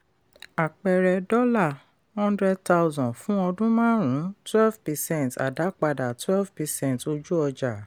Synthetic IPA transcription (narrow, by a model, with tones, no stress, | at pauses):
a˨k͡pɛ˨ɾɛ˧dɔ˦la˦˨ | hɔ̃˦ndɾɛ˦d̚ta˦u˦zɔ̃˨fũ˦ɔ˧dũ˦mãː˦ɾ̃ũ˨˦twɛ˦lvpɛ˧sɛ̃˦˨nta̰˨da˨˦k͡pa˧da˨twɛ˦lvpɛ˧sɛ̃˦˨nto˧d͡ʒu˦ɔ˧d͡ʒa˨